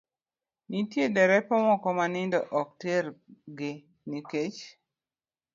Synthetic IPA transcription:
nitjedɛɾɛpɔŋɔkɔmanɪndɔʔɔk̚teɾɡɪ | niket͡ʃ

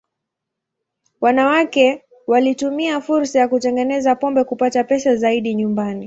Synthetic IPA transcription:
wanawakɛ | walitumiafuɾsajakutɛŋɡɛnɛzapɔmbɛkupatapɛsazaiɗiɲumbani

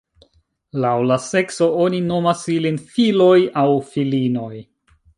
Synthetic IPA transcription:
lawlase̞kso̞o̞nino̞masilinfilo̞jawfilino̞j

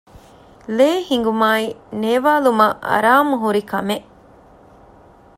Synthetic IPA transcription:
leːhiŋ̆ɡumaːineːʋaːlumɐʔɐ̰ɾaːmuɦuɾikɐmeʔ

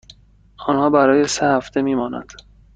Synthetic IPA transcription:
ɒːnhɒːbæɾɒːje̞sehæft̪ʰe̞miːmɒːnæ̰nd̪̥

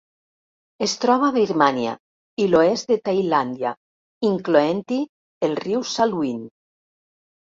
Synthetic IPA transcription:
est̪ɾɔβ̞aβiɾmanja̰ | iloesd̪et̪ajland̪ja | iŋkloent̪i | elriwsaluin

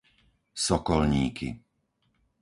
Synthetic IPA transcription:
sɔkɔlɲiːkʰḭ

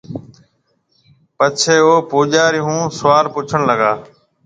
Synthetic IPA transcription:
pət͡ʃʰeːoːpuːʄaːɾɪɦũːsʊʋaːlpʊt͡ʃʰəɽləɡaː

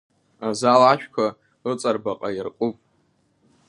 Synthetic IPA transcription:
azalaʃʷᶣkʷʰa | ɨt͡sʼarbaqʼajɪrqʼʊpʼ

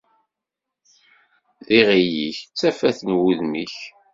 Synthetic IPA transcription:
ðiʁijiçt͡sːæfæθənwuðmiç

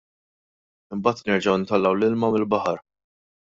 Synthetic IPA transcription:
ɪmbɐːt̪nɛɾd͡ʒɐwɪnt̪ɐlːɐwlɪlmɐmɪlbɐħɐɾ

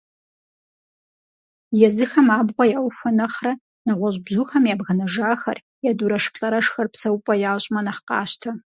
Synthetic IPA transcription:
jɛzɨxɐmaːbʁʷɔjɐwxʷɔnɐχrɐ | nɐʁʷɔʑbʑuːxɐmjaːbɣɐnɐʒaːxɐ̰r | jaːduɾɐʂpʰɬʼɐɾɐʂxɐrpsɐwpʼɐjaːɕʼmɐnɐχqɑ̰ːɕtʰɐ

